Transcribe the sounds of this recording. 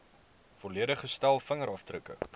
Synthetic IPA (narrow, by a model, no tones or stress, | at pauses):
foliəɾəχəstælˠfəŋəɾɐftrəkə̰